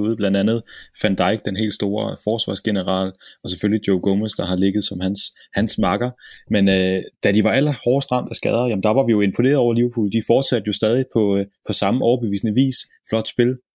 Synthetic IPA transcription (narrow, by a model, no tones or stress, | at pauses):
uːð̩ˠblænd̥ænð̞̩ˠfænd̥ɑ̈ɪɡ̥̚d̥enɦe̝̰ːld̥sd̥o̝ːɐfɒːsʋɑ̰̈ːsɡ̥e̝nəʁɑ̰̈ːlɒ̽sefølid̥joʊɡ̥ɔməsd̥ɑ̈ɦɑ̈le̝ɡ̥ð̩ˠsɒ̽mhæns | hænsmɑ̈ɡ̥ɐmenød̥ædiʋɑ̈æl̰ɐhɒːsd̥ʁɑ̈m̰d̥æsɡ̥ɛːð̞ˠɐjæmn̩d̥ɑ̈ʋɑ̈ʋijo̝e̝npʰo̝ne̝̰ːɐðˠɒ̰ʊ̰ɐliʊpʰṵːl̩d̥ifɒːd̥sæd̥jo̝sd̥ɛːð̞ˠipʰɒ̽pʰɒ̽sɑ̈məʔɒʊɐb̥eʋḭːsnəʋḭːsflɒ̽d̥sb̥e̝l